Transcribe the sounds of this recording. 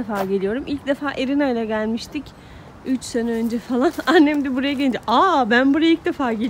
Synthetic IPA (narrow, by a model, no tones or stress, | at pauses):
efaːɟelijo̞ɾumʔilʲc̚d̪e̞faːʔeɾinajlʲɛɟælʲmiʃt̪ʰic | yt͡ʃsenɛø̞nd͡ʒɛfalˠananːemid̪ɛbuɾajaɟelʲd͡ʒiʔabænbuɾajilʲc̚d̪e̞faːɟe